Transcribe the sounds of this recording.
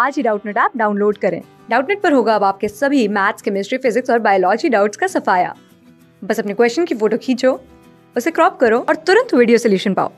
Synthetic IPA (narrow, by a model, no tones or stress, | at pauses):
aːd͡ʒiɖaːʊʈneʈaːp̚ɖaːʊnloːɖkɐɾḛ̃ː | ɖaːʊʈnɛʈ̚pɐɾɦoːɡaɐbaːp̚kesɐbʱimɛːt̪skemɪsʈɾifɪzɪksɔːɾbaːjolɔːd͡ʒiɖaːʊʈskasɐfaːja̰ː | bɐsɐpnekwɛːst͡ʃənkifoːʈokʰiːt͡ʃʰoː | ʊsekɾɔːp̚kɐɾoɔːɾt̪ʊɾə̃nt̪ʋiːɖijosɛljuːʃənpa̰ːo̰ː